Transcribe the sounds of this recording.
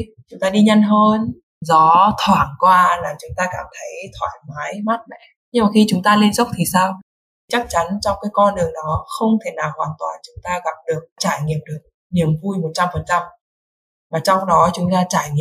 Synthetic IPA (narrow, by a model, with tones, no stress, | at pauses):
t͡ɕʊ˨˦ŋ͡mt̪aː˧ɗi˧ɲa˧nɦəː˧n | zɔ˨˦t̪ʰwaː˨˩nkwaː˧laː˨˩t͡ɕʊ˨˦ŋ͡mt̪aː˧kaː˧˩mt̪ʰə˨˦jt̪ʰwa̰ː˧˩jmaː˨˦jma˦˥t̚mɛ̰˧˩˨ | ɲɨ˧ŋmaː˨˩xi˧t͡ɕʊ˨˦ŋ͡mt̪aː˧le˧nzə˦˥wk͡p̚t̪ʰi˨˩saː˧w | t͡ɕa˦˥k̚t͡ɕa˨˦nt͡ɕɔ˧wŋ͡mkaː˨˦jkɔ˧nɗɨ˨˩əŋɗɔ˨˦xə˧wŋ͡mt̪ʰe˧˩naː˨˩whwaː˨˩nt̪wa̰ː˨˩nt͡ɕʊ˨˦ŋ͡mt̪aː˧ɣa˨˩p̚ɗɨ˨˩ək̚t͡ɕaː˧˩jŋḭ˨əmɗɨ˨˩ə˩k̚ | ni˨˩əmvu˧jmo˨˩t̚t͡ɕa˧mfə˨˩nt͡ɕa˧m | vaː˨˩t͡ɕɔ˧wŋ͡mɗɔ˨˦t͡ɕʊ˨˦ŋ͡mt̪aː˧t͡ɕaː˧˩jŋḭ˧˨